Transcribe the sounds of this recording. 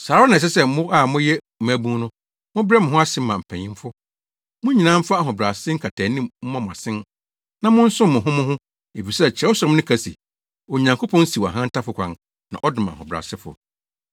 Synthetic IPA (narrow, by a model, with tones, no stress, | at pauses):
saː˨ɾɔ˦nã˨s̬ɛ˦sɛ˦mʊ̃˦a˨mʊ̃˦jɛ˦˨˦æ˦bũ˦nʊ̃˦ | mʊ̃˦bɾɛ˦mʊ̃˨ɦʊ̃˦a˦sɪ̃˦m˦mã˨m̩˨pʰæ̃˨ɲĩ˦mfʊ˦ | mʊ̃˦ɲi˨nã˦m̩˦fa˦a˨ɦʊ̃˨bɾa˨sɪ˦ŋ̩˦kʰa˨tʰæ˨nĩ˦mm̩˦mã˦mʊ̃˨a˨sɪ̃˦n | nã˦mʊ̃˦n̩˦sʊ̃˦mʊ̃˨ɦʊ̃˦mʊ̃˦ɦʊ̃˦ | e˨fi˨sɛ˦t͡ɕʰɛ˦ɔ˦sɔ˨ɾɪ̃˦m˦nʊ̃˦kʰæ˨sḭ˨ | ɔ˨ɲã˨ŋkʰo˦pʰɔ̃˦n˦si˨wɔ̰˨ɦã˦n̩˦tʰa˦fʊ˦kʷʰã̰˨˦n | nã̰˨ʔɔ˦dɪ̃˨mã̰˨hʊ̰̃˨bɾa̰˨sɪ˦fʊ̰˨